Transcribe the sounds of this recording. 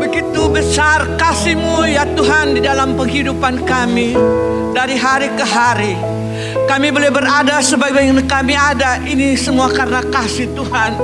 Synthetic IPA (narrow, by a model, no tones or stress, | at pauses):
bəɡit̪ubəsarkasimujat̪uɦandidalampəŋɦidupankami | daɾiɦaɾikəɦaɾi | kamibolabəɾadasəbaɡajkamiadaʔinisəmuakaɾənakasiht̪uhan